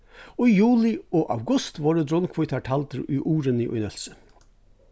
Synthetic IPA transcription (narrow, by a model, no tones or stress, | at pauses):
ɔijuːlɪoːʔa̰wɡʊst̪ʋɔːɾəd̪ɾɔnkʰvʊjt̪ʰaʈʰalt̪əɾʊ̰jʔuːɾənɪʔʊ̰jnœl̥sə̥